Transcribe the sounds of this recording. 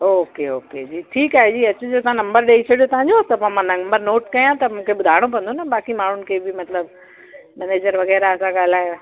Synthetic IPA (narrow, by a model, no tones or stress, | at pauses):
oːkeoːked͡ʑiːʈʰiːkaːɦed͡ʑiːɐt͡ɕʊd͡ʑot̪ɐãnɐ̃mbəɾɗeːit͡ɕʰɐɽijot̪ɐʋ̤ãɲd͡ʑot̪ɐpːmãnɐ̃mbəɾnoːʈkɐjãt̪ɐmũːkʰeɓʊd̪ʱaːɪɽ̃opɐ̃nd̪onɐɓaːkimaːɳ̤ʊnɪ̆kʰebɪmɐt̪ləb | mɛːneːd͡ʑəɾʋɐɣɛːɾaɐsãɠaːl̤aːɦjo